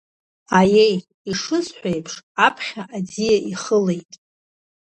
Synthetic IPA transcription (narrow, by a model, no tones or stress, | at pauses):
aje̞j | iʂɨsħᶣʷejpʰʂapʰχʲaʔad͡zijaʔiχəle̞jtʼ